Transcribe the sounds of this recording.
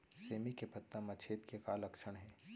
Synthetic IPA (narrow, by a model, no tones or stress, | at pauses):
seːmikepɐt̪ːamɐt͡ʃʰeːt̪kekaːlɐkʃəɽ̃ɦɛ̃ː